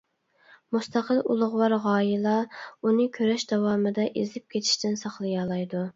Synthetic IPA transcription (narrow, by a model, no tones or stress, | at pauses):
must̪ɑqəlˠṵlˠʊʁwɑɾʁɑːjilˠɑunɨkʲʰøɾɛʃd̪ɑwɑːmɨd̪ɛʔezlɪp̚kʲʰet̪ʰɪ̥ʃt̪ɪnsɑχlˠɨjɑlˠɑjd̪u